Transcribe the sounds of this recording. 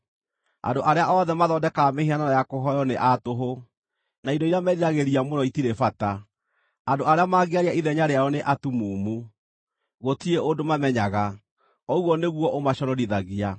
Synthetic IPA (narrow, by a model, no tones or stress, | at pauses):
a̰ndoʔaɾeaʔɔðɛmaðɔdɛkamehiananajakoɦɔjɔneʔatoɦo | naidɔiɾeamɛðiɾaɣeɾiamonɔitiɾefata | andoaɾeamaɣeaɾiaiðɛɲaɾeaɔneʔatumuːmu | ɣotieʔodomamɛɲaɣa | ɔwɔneɣwɔʔomaɕɔɾɔɾiðaɣia